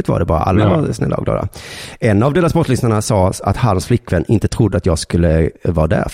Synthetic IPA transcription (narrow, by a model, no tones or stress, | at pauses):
ɪt̪va̰ɖɛbɑːɾa̰ʔa̰lːavaɾsnɛ̰lːaɔ̰ɡlɑ̰ːd̪a̰ɛnːavd̪eːlasbɔt̪lʏsnaɳasɑːa̰t̪hansflɪkːvɛnːɪnt̪ət̪ʰɾʊd̪ːəat̪jɑːɡskɵlːəvɑːd̪æ̰ɾ